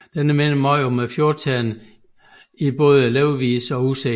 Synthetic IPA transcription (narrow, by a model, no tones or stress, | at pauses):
d̥enəmenəmɒɪomefjo̝ːt͡sʰæn | ib̥ɔ̽ːð̞̩ˠeleʊʋḭːsɒ̽use